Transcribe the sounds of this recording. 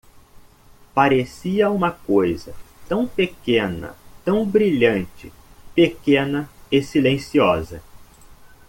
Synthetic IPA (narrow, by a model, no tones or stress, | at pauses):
paɾesiɐũmɐkojzɐt̪ɐ̃w̃pekẽnɐ̰t̪ɐ̃w̃bɾiʎɐ̃nt͡ʃɪpekẽnɐɪsilẽsiɔzɐ